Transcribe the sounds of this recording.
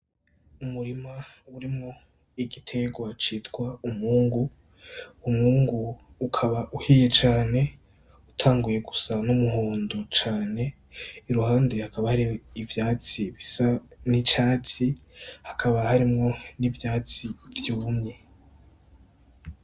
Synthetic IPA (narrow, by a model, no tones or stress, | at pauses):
umuɾimauɾimŋo̞ | iɡitʰe̞ɡwat͡ʃiːtɡwaumhuːŋɡu | umŋuːŋɡuː | kʰaβaʔuhiːje̞t͡ʃaːne̞ | utʰaːŋɡuje̞ɡusanumuhuːndot͡ʃaːne̞ | iɾuhaːndehakaβahaɾiivjaːt͡siβisanit͡ʃaːt͡si | hakʰaβahaɾimŋo̞nivjaːt͡sivjumɲe̞